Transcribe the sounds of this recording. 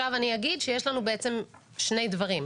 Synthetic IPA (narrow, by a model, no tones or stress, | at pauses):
avaniaɡidʃeje̞ʃlanubeʔet͡se̞m | ʃne̞jdvaʁim